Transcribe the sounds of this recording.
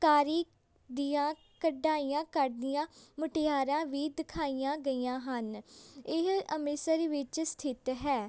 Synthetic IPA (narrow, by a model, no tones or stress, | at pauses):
kaːɾiː | d̪ijãː | kəɖaːijãːkəɾd̪ijãːmʊʈɪjaːɾãːʋiːd̪ɪkʰaːijãːɡəiːjãːɦənɪɦəmɪsəɾʋɪt͡ʃst̪ʰɪt̪ɦɛː